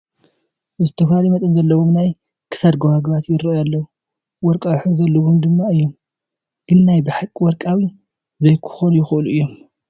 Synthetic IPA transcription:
ʔɨzɨt̪ʰɐfalmɐt̪ʼɐnzɐlːɐwomnaj | kʰɨ̥sad̪ɡohaɡβat̪jɪɾɐjalːɐwu | wɔɾkʼawħɨzɐlːoβomd̪ɨmːaɨjːo̞m | ɡ̥ɨnːajbɨħakʼiwɔɾkʼawi | zɐjkʰɨ̥xonjɪxʔɨluʔɨjːom

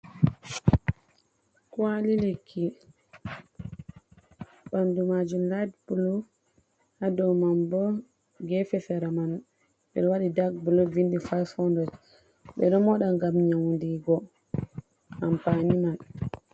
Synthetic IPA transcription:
kwalilekʰːi | ɓandumad͡ʒumladpuluf | hadɔmambɔ | ɡɛfɛfɛɾaman | ɓɛɗɔwaɗidaɡbulɔvindifajfɔndɔd͡ʒ | ɓɛɗɔmɔɗaŋɡamɲawndiɡɔ | ampaniman

